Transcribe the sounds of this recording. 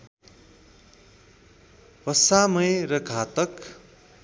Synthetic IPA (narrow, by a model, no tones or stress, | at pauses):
pʌsamʌjrʌɡʱaːt̪ʌk